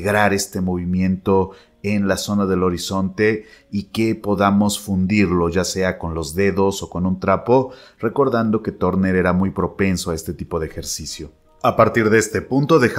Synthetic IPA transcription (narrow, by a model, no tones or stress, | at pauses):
ɣɾaɾe̞st̪e̞mo̞β̞imjẽ̞nt̪o̞ | enlaso̞naðe̞lo̞ɾiso̞nt̪e̞ike̞po̞ðamo̞sfund̪iɾlo̞ʝase̞ako̞nlo̞zðe̞ðo̞so̞ko̞nũnt̪ɾapo̞re̞ko̞ɾðand̪o̞ke̞t̪o̞ɾne̞ɾe̞ɾamujpɾo̞pe̞nsoae̞st̪e̞t̪ipo̞ðeːxe̞ɾsisjo̞ | apaɾt̪iɾðest̪e̞punt̪o̞ðe̞x